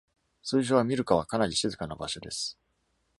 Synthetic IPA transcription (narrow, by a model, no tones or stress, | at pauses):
sɨːʑoβamʲiɾɯ̟kaβ̞akanaɾʲiɕizɨkano̞baɕo̞d̪e̞sɨ̥